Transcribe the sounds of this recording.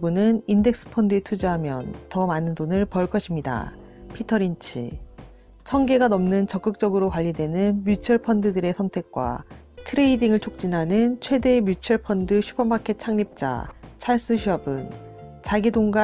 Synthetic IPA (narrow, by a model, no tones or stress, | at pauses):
bunɯninde̞k̚s͈ɯ̥pʰʌndɯetʰud͡ʑiɦamjʌntʌmanɯndonɯɭpʌɭk͈ʰʌɕʰimɲida̰ | pʰitʰʌɾint͡ɕʰḭ | t͡ɕʰʌŋɡe̞ɡanʌmnɯnt͡ɕʌk͈ɯk̚t͡ɕ͈ʌɡɯɾokwaʎːidwe̞nɯnmjut͡ɕʰʌɭpʰʌndɯdɯɾe̞sʰʌntʰe̞k̚k͈wa̰ | tʰɯɾe̞idiŋɯɭt͡ɕʰok̚t͡ɕ͈inɦanɯnt͡ɕʰwe̞de̞mjut͡ɕʰʌɭpʰʌndɯɕʰu̥pʰʌmpʰakʰe̞t̚t͡ɕʰaŋɲip̚t͡ɕ͈a̰t͡ɕʰaɭs͈ɯɕʰiʌbɯn | t͡ɕaɡidoŋɡa